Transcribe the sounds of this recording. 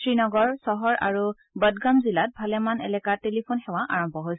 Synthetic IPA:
sɹinɔɡɔɹsɔɦɔɹa̰ɹu | bədɡamzilat̚bʱalɛmanɛ̰lɛkaɹtelipʰonxɛwaʔaɹɔmbʱɔɦojsɛ

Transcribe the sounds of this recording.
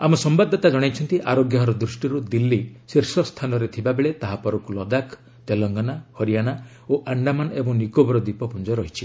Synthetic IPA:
amɔsɔmbad̪ʱːɔt̪ad͡ʒɔɽ̃ajt͡ʃʰɔnt̪iʔaɾoɡjaɦɔɾɔd̪ɾusʈiɾud̪ilːisiɾsɔst̪ʰanɔɾet̪ʰibabeɭet̪aɦapɔɾɔkulɔd̪akʰ | t̪elɔŋɡɔnahɔɾijana | oʔaɳɖamanɔebɔŋnikobɔɾɔd̪ipɔpund͡ʒɔɾɔɦit͡ʃʰi

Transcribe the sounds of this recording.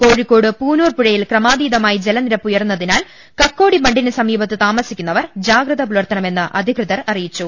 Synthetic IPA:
ko̞ːɻikʲːo̞ːɽɨpuːnuːrpuɻɐjilkrɐmaːd̪iːd̪ɐmaːjid͡ʑe̞lɐniɾɐpːujɐrunːɐðinaːl | kɐkːo̞ːɽibɐɳɖinɨsɐmiːbɐt̪ːɨt̪aːmɐsikʲːunːɐʋɐrd͡ʑaːɡrɐðɐpuɭɐrt̪ɐɳɐme̞nːɨʔɐ̰d̪ʱikrɨðɐrɐrijit͡ɕːu

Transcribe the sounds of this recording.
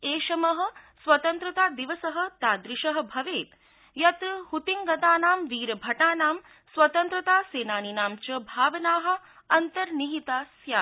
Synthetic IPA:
eːʃɐmɐɦɐ̆sʋɐt̪ɐnt̪ɾɐt̪aːd̪iʋɐsɐɦɐ̆t̪aːd̪ɾiʃɐɦɐ̆bʱɐʋeːt̪ | jɐt̪hut̪iŋɡɐt̪aːnaːmʋiːɾɐbʱɐʈaːnaːm | sʋɐt̪ɐnt̪ɾɐt̪aːseːnaːninaːmt͡ʃɐbʱaːʋɐnaːɦɐ̆ | ɐnt̪ɐɾniɦit̪aːsjaː

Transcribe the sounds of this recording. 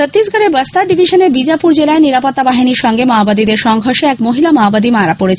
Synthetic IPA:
ot̪ːɾisɡʱəɾebəst̪aɖibʱiʃənebid͡ʑapuɾd͡ʑelaeniɾapot̪ːabaɦiniɾʃɔŋɡemaobad̪id̪eɾʃɔŋɡʱoɾʃeɛkmoɦilamaobad̪imaɾapoɾet͡ɕʰ

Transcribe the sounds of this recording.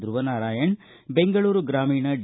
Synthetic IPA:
d̪ɾuʋɐnaːɾaːjɐɳ | beŋɡɐɭuːɾuɡɾaːmiːɳɐɖ

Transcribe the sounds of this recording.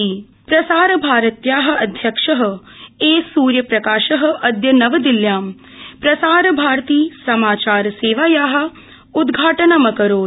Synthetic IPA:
iː | pɾɐsaːɾɐbʱaːɾɐt̪jaːɦɐ̆ɐd̪ʱjɐkʂɐɦɐ̆ | eːsuːɾjɐpɾɐkaːʃɐɦɐ̆ʔɐd̪jɐnɐʋɐd̪iljaːm | pɾɐsaːɾɐbʱaːɾt̪iːsɐmaːt͡ʃaːɾɐseːʋaːjaːɦɐ̆ | ud̪ɡʱaːʈɐnɐmɐkɐɾoː

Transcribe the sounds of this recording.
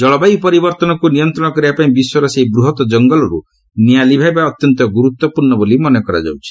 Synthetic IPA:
d͡ʒɔɭɔbajpɔɾibɔɾt̪ɔnɔkunijɔnt̪ɾɔɽ̃ɔkɔɾibapaĩbiswɔɾɔseɦibɾuɦɔt̪ɔd͡ʒɔŋɡɔlɔɾu | nijalibʱajbaɔt̪jɔnt̪ɔɡuɾut̪ːwɔpuɾɳɔbolimɔnɔkɔɾa̰d͡ʒa̰wt͡ʃʰi̥

